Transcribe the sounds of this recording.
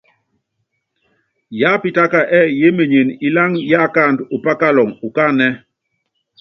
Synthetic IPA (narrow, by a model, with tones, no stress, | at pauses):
ja˦pi˨ta˦ka˨ʔɛ˦˨je˦me˨ɲe˨ni˨la˦ŋja˦˨ka˦˨ndu˨pa˦ka˦lɔ˨ŋu˨ka˦nɛ˦